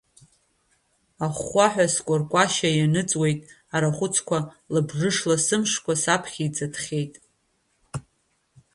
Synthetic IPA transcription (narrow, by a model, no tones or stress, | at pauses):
aχʷaħᶣaskʷʼʊrkʷʼaʃajanɨt͡sʼwe̞jtʼ | aɾaχʷʊt͡sʰkʷʰa | labʐɨʂlasɨmʂkʷʰasapʰχʲid͡zʼadʰχʲejtʼ